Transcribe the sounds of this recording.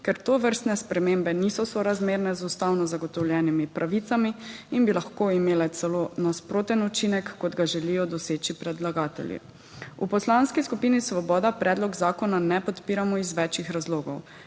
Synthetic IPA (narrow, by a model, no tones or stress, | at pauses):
kɛɾt̪oʋəɾst̪nɛspɾɛmeːmbɛniːsɔsɔɾazmeːɾnɛzust̪awnɔzaɡɔt̪ɔwljɛːnimipɾʔaʋiːt̪samiinbilaxkoimeːlɛt̪sɛloːnaspɾoːt̪ɛnut͡ʃinɛkːɔd̪ɡaʒɛlijɔd̪ɔseːt͡ʃipɾɛd̪laɡaːt̪ɛ̰ljḭ | ṵpɔslanskiskupiːnisʋɔbɔːd̪apɾɛd̪lɔɡzaːkɔnanɛpɔt̪piːɾamɔizʋɛt͡ʃixɾazloːɡɔw